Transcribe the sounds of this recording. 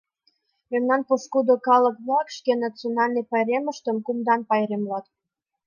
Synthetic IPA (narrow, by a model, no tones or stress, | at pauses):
memnɑnpoʃkud̪okɑlə̆kmɑkʃkenɑt͡sionɑlʲnejpɑjɾeməʃt̪əmkumd̪ɑnpɑjɾemlɑt̪